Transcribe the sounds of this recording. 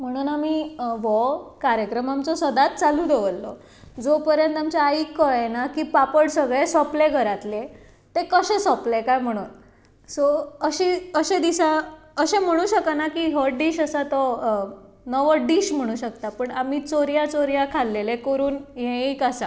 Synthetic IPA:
m̤əɽ̃uːnamiːʋɔkaɾjəkɾəmamt͡sɔsəd̪at̪̚t͡salud̪ʱeʋəlːɔ̰ | d͡zopəɾjənt̪amt͡ɕaaikːəɭenakiːpapəɽsəɡɭesɔpleɡʱəɾat̪le | t̪ekəɕesɔplekajm̤əɽ̃uːn | sɔəɕiəɕẽd̪iɕaəɕẽm̤əɽ̃ũːɕəkanakiːɦəɖiːɕəsat̪ɔ | nəʋəɖiɕm̤əɽ̃ũːɕək̚t̪apəɳamiːt͡soɾjat͡soɾjakʰalːelekəɾuːnɦẽikasa

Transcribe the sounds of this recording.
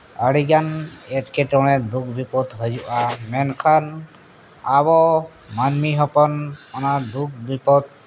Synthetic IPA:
aɽiɡanɛʈkʰɛʈɔwɽ̃ɛd̪uk̚ʰbipɔd̪ɦɔd͡ʒuʔamɛnkʰan | aβɔ | manmiɦɔpɔnɔnad̪uk̚bipɔt̪̚

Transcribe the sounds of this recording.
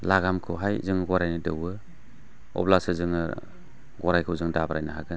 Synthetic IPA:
laɡamkʰɯwɦajzɯŋɡɔɾajnɯdɯwɯ | ɔ̰blasɯzɯŋɯ̰ | ɡɔɾajkʰɯwzɯŋdabɾajnaɦa̰ɡɯn

